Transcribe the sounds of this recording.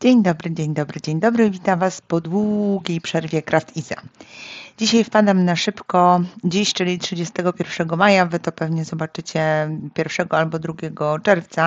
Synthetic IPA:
d͡ʑeɲd̪ɔbɾɘd͡ʑeɲd̪ɔbɾɘd͡ʑeɲd̪ɔbɾɘvʲit̪amvaspɔd̪wuɡʲejpʂɛɾvʲjɛkɾʔaft̪ʰiza̰ | d͡ʑiɕajfpad̪amnaʂɘpkɔd͡ʑiɕt͡ʂɘlʲitʂɘd͡ʑɛst̪ɛɡɔpʲjɛɾfʂɛɡɔmajavɘt̪ɔpɛvɲɛzɔbat͡ʂɘt͡ɕɛpʲjɛɾfʂɛɡɔalbɔd̪ɾuɡʲɛɡɔt͡ʂɛɾft̪sa

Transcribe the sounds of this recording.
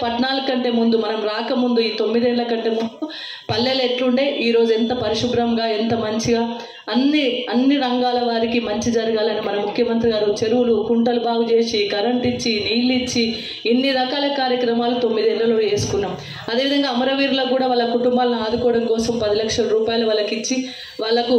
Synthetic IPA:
pɐʈnaːlɐɐɳʈe̞ːmund̪umɐnɐmɾaːkɐmund̪uiːt̪o̞mːid̪ɛːnlɐkɐɳʈe̞ːmund̪u | pɐlːeleʈluɳɖe̞ːʔiːɾo̞ːd͡ʒuɛnt̪ɐpɐɾiʂubɾɐmɡaːent̪ɐmɐɲt͡ʃiɡaː | ɐnːiɐnːiɾɐŋɡaːlɐʋaːɾikimɐɲt͡ʃid͡ʒɐɾɐɡaːlɐnimɐnɐmukʰjɐmɐnt̪ɾiɡaːɾut͡ʃe̞ɾuwulukuɳʈɐlubaːɡut͡ʃe̞ːsiɡɐɾɐɳʈit͡ʃːiniːlit͡ʃːi | enːiɾɐkaːlɐkaːɾjɐkɾɐmaːlut̪o̞mːid̪ɛːnlɐlo̞ːe̞ːsu̥kunːaːm | ɐd̪eʋid̪ɐŋɡaːmɐɾɐʋiːɾloːkuːɽaːʋaːɭːɐkuʈumbaːlɐniaːd̪ukɔːɐɽɐmkɔːsɐmpɐd̪ilɐkʂɐlɐɾuːpaːjɐlɐʋɐlːɐkit͡ʃːi | ʋaːɭːɐku

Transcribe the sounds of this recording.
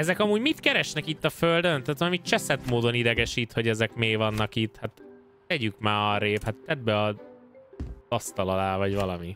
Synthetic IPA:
ɛzɛkɒmuːɟmit̪kɛɾɛʃnɛkit̪ːɒføld̪ønt̪at̪olɒmit̪t͡ʃɛsɛt̪moːd̪o̞nid̪ɛɡɛʃit̪ho̞ɟɛzɛkmeːvɒnːɒkit̪ːhat̪ | t̪ɛɟykmaːɒɾeːphat̪ːɛd̪̚bɛɒ | zɒst̪ɒlɒlaːvɒɟvɒlɒmi

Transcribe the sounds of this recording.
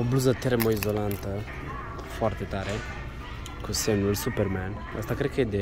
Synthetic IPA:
obluzət̪eɾemoizolant̪ə | foart̪et̪aɾe | kusemnulsuperman | ə̰st̪akɾed̪̚kəed̪e

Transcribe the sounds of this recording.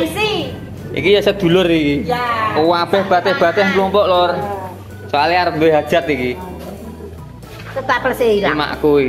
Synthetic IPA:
si | ḭkijasəd̪̥ṳlʊrikiuwab̥ɛhb̥a̤t̪ɛhb̥a̤t̪ɛhŋɡlɔmpɔʔlɔr | saliaweɦad̥ʒ̥a̤t̪iki | sətapəlseiɾma̰ʔkui

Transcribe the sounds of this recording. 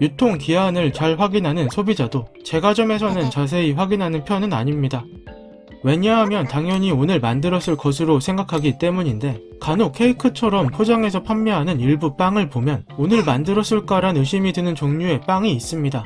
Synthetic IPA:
jutʰoŋkianɯɭt͡ɕaɭɸwaɡinɦanɯnsʰobid͡ʑadot͡ɕe̞ɡad͡ʑʌme̞s̬ʰʌnɯnt͡ɕas̬ʰe̞iɸwaɡinɦanɯnpʰjʌnɯna̰ɲimɲida | we̞ɲaɦamjʌntaŋjʌɲionɯɭmandɯɾʌs͈ɯɭkʌsʰɯɾosʰe̞ŋɡakʰaɡit͈e̞muɲinde̞ | kanokʰe̞ikʰɯt͡ɕʰʌɾʌmpʰod͡ʑaŋe̞s̬ʰʌpʰamːʌɦanɯniɭbup͈aŋɯɭpomjʌnonɯɭmandɯɾʌs͈ɯɭk͈aɾanɯɕ͈imidɯnɯnt͡ɕoŋɲue̞p͈aŋiːs͈ɯmɲida

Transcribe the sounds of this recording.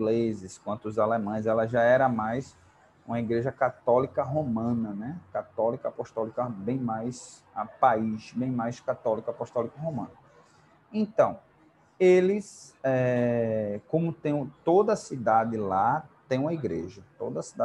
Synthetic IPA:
ɡlezɪskwɐ̃nt̪ʊʊzalemɐ̃j̃zɛlɐʒaɛɾɐmajs | ũmɐiɡɾeʒɐkat̪ɔlikɐɦomɐ̃nɐnɛkat̪ɔlikɐapɔʃt̪ɔlikɐbẽj̃majs | apaiʃbẽj̃majskat̪ɔlikɐapɔʃt̪ɔlikɐɦomɐ̰̃nɐ | ẽt̪ɐ̃w̃ | elɪsɛ | kõmʊt̪ẽj̃t̪od̪ɐːsid̪ad̪ɪlat̪ẽj̃ũmɐiɡɾeʒɐt̪od̪ɐsid̪a

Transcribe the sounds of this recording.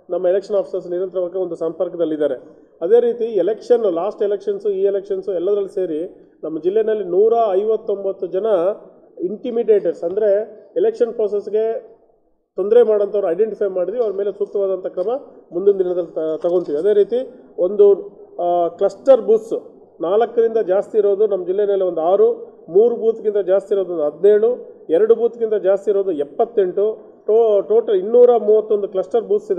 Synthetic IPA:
nɐmːɐelekʂɐnaːpʰi̥sɐɾs̬niɾɐnt̪ɐɾɐʋɐɡːɐond̪usɐmpɐɾkɐd̪ɐlːid̪aːɾe | ɐd̪e̞ːɾiːt̪iɛlekʂɐnːulaːsʈelekʂɐnsiːelekʂɐnsuɛlːɐd̪ɐɾɐlːise̞ːɾi | nɐmːɐd͡ʒilːenɐlːinuːɾɐːjʋɐt̪ːo̞mbɐt̪ːud͡ʒɐnɐ | iɳʈimiɖe̞ːʈɐɾsɐnd̪ɐɾe̞elekʂɐnpɾoːs̬esɡe̞ | t̪o̞nd̪ɾemaːɽɐnt̪ʰɐʋɐɾɐjɖeɳʈipʰɐjmaːɽid̪ʋiɐʋɐɾɐmeːle̞sut̪ːɐʋaːd̪ɐnt̪ɐkɾɐmɐmund̪und̪iɳɐd̪ɐlːit̪ɐɡo̞nt̪iʋiɐd̪e̞ːɾiːt̪io̞nd̪u | klɐsʈɐɾbuːt̪s | naːlɐkːɐd̪ind̪ɐd͡ʒaːst̪iːɾo̞ːd̪unɐmːɐd͡ʒilːemeːleond̪uaːɾumuːɾubuːt̪ɡint̪ɐd͡ʒaːst̪iɾoːd̪uond̪uɐd̪neːɽuɛɾɐɽubuːt̪ɡint̪ɐd͡ʒaːst̪iɾoːd̪uɛpːɐt̪ːe̞ɳʈu | ʈːʈoːʈɐlinːuːɾɐmuːʋɐt̪ːo̞nd̪uklɐsʈɐɾbuːt̪sid̪e

